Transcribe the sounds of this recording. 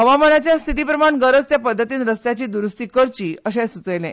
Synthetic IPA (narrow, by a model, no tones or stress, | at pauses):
ɦəʋaməɳjat͡ɕjast̪ʰit̪iːpɾəmaɳɡəɾət͡st̪japəd̪ʱːət̪iːnɾəst̪jat͡ɕiːd̪uɾust̪iːkəɾt͡ɕiːəɕɛsut͡səjlɛ̰̃